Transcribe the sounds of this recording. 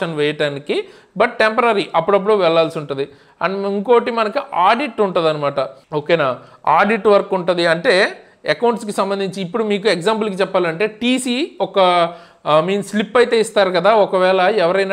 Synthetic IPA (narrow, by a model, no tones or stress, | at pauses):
ɐnʋɛːjɐʈaːniki | bɐʈʈempɐɾɐɾiʔɐpːuɽɐp̬ːuɽuːʋɛɭːaːlsiuɳʈund̪i | ɐiŋkoːʈimɐnɐkiʔaːɖiʈːuɳʈund̪ɐnɐmaːʈɐoːkeːnaːaːɖiʈʋɐɾkːuɳʈund̪iɐɳʈe̞ː | ɛkɐwɳʈskisɐmbɐnd̪iɲt͡ʃiːpːuɽumiːk̬ueɡzaːmp̬ulk̬it͡ʃɛpːaːlɐɳʈe̞ːʈiːsiːɔkɐ | miːnːlipːɐjt̪e̞ːist̪aːɾukɐd̪aːɔkɐʋɛːɭɐɛʋɐɾɐjna